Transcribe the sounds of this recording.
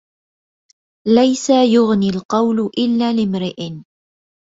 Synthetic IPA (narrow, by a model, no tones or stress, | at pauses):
lajsajʊɣnilqɑwlʊʔɪlːaːlɪmɾɪʔ